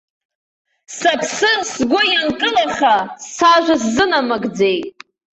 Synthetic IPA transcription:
sapʰsɨsɡʷʊjankʼɨlaχasaʒᶣʷaszɨnamaɡd͡ze̞jtʼ

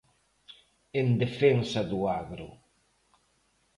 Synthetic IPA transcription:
end̪efensaðuaɣɾʊ̰

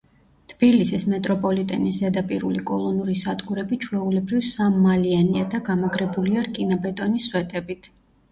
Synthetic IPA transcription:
t̪ʰb̥ilisismɛt̪ʼɾɔpʼɔlit̪ʼɛ̰nisɛd̪apʼiɾulikʼɔlˠɔnuɾisad̪ɡuɾɛbit͡ʃʰwɛulɛbɾivsamːalianiad̪aɡamaɡɾɛbuliaɾkʼinabɛt̪ʼɔniswɛt̪ʼɛbit̪ʰ

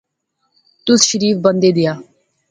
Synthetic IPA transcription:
t̪ʊsʃəɾiːfbə̃nd̪eːd̪ɪjaː

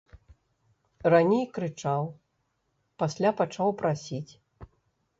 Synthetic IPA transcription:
ranʲejkɾɨt͡ʂaw | pasʲlʲapat͡ʂawpɾasʲit͡sʲ

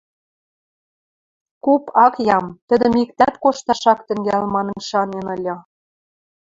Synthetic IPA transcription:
kupɑkjɑmt̪ə̆d̪ə̆mikt̪æt̪koʃt̪ɑʃɑkt̪ə̆ŋɡælmɑnɤ̆nʃɑnenɤ̆lʲɤ̆

